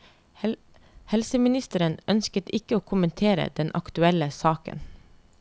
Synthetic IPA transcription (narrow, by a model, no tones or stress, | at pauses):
hɛlsəmɪnɪst̪əɾənœnskət̪ɪkəoːkʰʊmənt̪ʰeːɾə̰d̪ɛnʔɑkt̪ʉɛləsɑːkə̰n